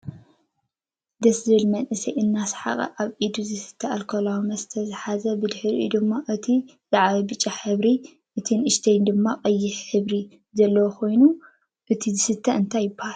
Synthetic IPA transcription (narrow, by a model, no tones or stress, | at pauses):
d̪ɐszɨβɨlmɐnʔɨsɐjʔɨnːasħa̰χʼɐ̰ʔaβʔid̪uzɨsɨ̥t̪ʰːɐʔalkʰolawimɐst̪ʰɐzɨħazɐbɨd̪ħɨɾiʔṵd̪ɨmːaʔɨt̪ʰi | z̥aʕβɐbɨt͡ʃʼːaħɨβɾi | ʔɨt̪ʰɨnʔɨʃt̪ʰɐjnd̪ɨmːaqʼɐjːɪħħɨβɾi | zɐlːɐwokʰo̞jnu | ʔɨt̪ʰizɨsɨt̪ʰːɐʔɨnt̪ʰajːɨbaha